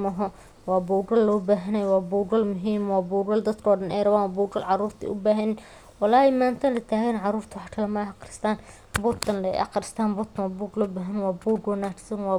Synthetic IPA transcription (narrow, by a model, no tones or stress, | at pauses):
mɐɦɔ | wɑːbuːɡɐlːɔːbaːɦɐnɐjɔwɑːbuːɡɐlmʊɦiːmwɑːbuːɡɐld̪ɐd̪kʰɔːɖɐnɛ̰jɾɐβaːnwːbuːɡɐlʕɑruːrt̪ʰḭːʔʊ̰baːɦɐnɪn | wɑlaːjɛmaːnt̪ʰɐnlɐt̪ʰaːɣɛnʕɑruːrt̪ʰʊwħkʰɐlɐmɐɑqɾɪst̪ʰaːn | bɔt̪ʰɐnlɛ̰ʔɐ̰qɾɪst̪ʰaːnbɔt̪ʰɐnwɑːbuːɡlɔːbaːɦɐnwɑːbuːɡɔnaʈsɐnwɑː